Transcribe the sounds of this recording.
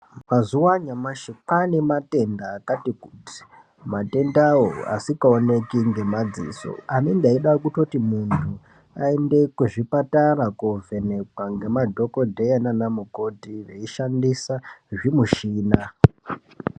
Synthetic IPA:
mazuwaɲamaʃikanimate̞ndaːkatikuti̥ | mate̞ndawo̰a̰sikaone̞kiŋɡe̞mad͡zḭːso̰amiŋɡaiɗakutotimuntʰu | a̰ende̞kuʐipataɾakuve̞ne̞kwaŋɡe̞madʱo̞ko̞dʱeananamuko̞tiʋe̞iʃandisaʐimuʃiːna

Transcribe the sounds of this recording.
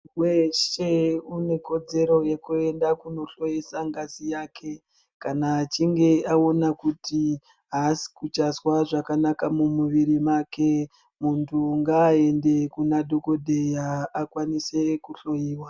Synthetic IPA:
we̞ʃe̞une̞ko̞d͡ze̞ɾo̞je̞kue̞ndakuno̞ɬo̞jisaŋɡazijakʰe̞ | kanat͡ʃiŋɡe̞ao̞nakuti | ɦasi̥kut͡ʃazwaʐakanakamumuʋiɾimake̞ | muntʰuŋɡaːe̞nde̞kunadʱo̞ko̞dʱe̞jaːkwanise̞kuɬo̞jiːwa

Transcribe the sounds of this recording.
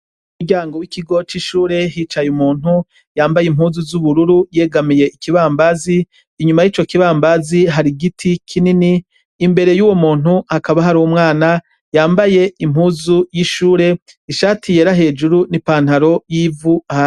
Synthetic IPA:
umuɟaːŋɡo̞wikʰiɡo̞t͡ʃiʃuːɾe̞ɦit͡ʃajumuːn̥hu | jaːmbajim̥huːzuzuβuɾuɾuje̞ːɡamije̞ʔikiβaːmbaziː | ɲumajiːt͡ʃo̞kiβaːmbaziɦaɾiɡitʰikʰininiː | mbe̞ɾe̞juːwo̞muːn̥huhakaβaɦaɾuumŋaːna | jaːmbaje̞imhuːzujiʃuːɾe̞ | iʃaːtʰije̞ːɾaɦe̞ːd͡ʒuɾunipaːn̥haɾo̞jiːvuha

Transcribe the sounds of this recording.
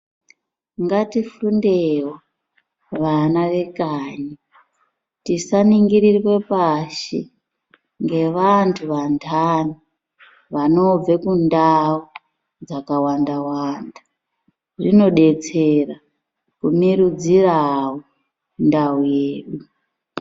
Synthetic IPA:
ŋɡatifundewo | ʋanaʋe̞kaːɲi | tisaniŋɡiɾirwe̞paʃḛ | ŋɡe̞ʋantʰuʋantʰani | ʋano̞b͡vekundau | d͡zakawandawaːnda | ʐino̞ɗe̞t͡sera | kumiɾud͡zirawo | ndaujeːɗu

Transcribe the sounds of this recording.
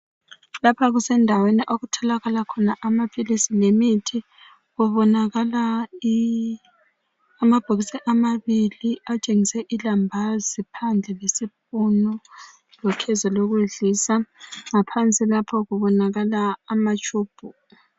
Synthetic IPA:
lapʰaɣusɛndʱaweniʔoɣutʰɔlaɣalakʰɔnaʔamapʼʰilisilemitʰi | ɣuβɔnaɣalai | amab̥ʱuɣisɛʔamaβiliat͡ʃʼeŋisɛʔilambʱazipʰand͡ɮʱɛlesip̚ʼunɔ | lɔkʰɛzaloɣuɮisaŋapʰant͡sʼilapʰɔɣuβɔnaɣalaːmat͡ʃʼuːb̥ʱu

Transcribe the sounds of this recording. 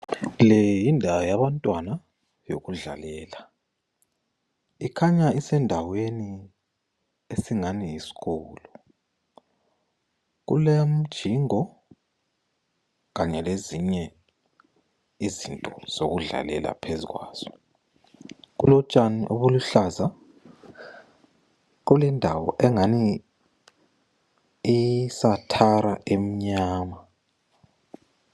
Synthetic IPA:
lɛjjindʱawajaβantʼwana | jo̰ɣuɮa̰lɛːla | ikʰaɲaisɛndʱaweni | esiŋanijisi̥ɣɔːlɔ | ɣṵlem̩d̥ʒ̥ʱiŋɔ | ɣaɲɛleziɲɛ | izintʼɔz̥oɣuɮa̰lɛ̰la̰pʰezḭɣwa̰ːz̥ɔ | ɣulɔt͡ʃʼaniʔoβuluɬaza | ɣulɛndʱawɔʔɛŋani | isatʰaɾaʔem̩ɲaːma

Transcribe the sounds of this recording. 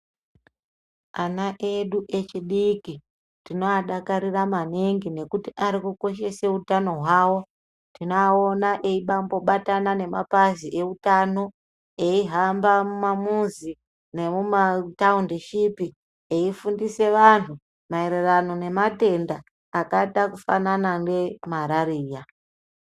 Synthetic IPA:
anaʔeɗuʔe̞t͡ʃiɗiki | tino̞aɗakaɾiramaneŋɡine̞kutiʔaɾikuko̞ʃe̞seutano̞ɦwaːwo̞ | tinoaonaʔe̞iɓambo̞ɓatanane̞mapaziʔe̞utano̞ | eiɦambamumamuzi | ne̞mumataundiʃipi | eifundise̞ʋan̤u | mae̞ɾerano̞ne̞mate̞ndaː | katakufa̰nanaŋde̞maɾaɾiːja

